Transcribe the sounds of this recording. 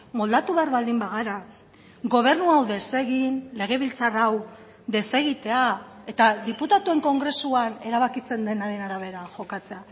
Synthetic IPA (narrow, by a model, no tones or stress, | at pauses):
mo̞ld̪at̪uβeaɾβald̪imbaɣ̞aɾa | ɣo̞β̞e̞ɾnuawðe̞se̞ɣinle̞ɣ̞e̞β̞ilt͡saraw | d̪e̞se̞ɣit̪e̞a | e̞t̪ad̪iput̪at̪ue̞ŋko̞ŋɡɾe̞suane̞ɾaβ̞akit͡se̞nd̪e̞naɾe̞naɾaβ̞e̞ɾaʝo̞kat͡se̞a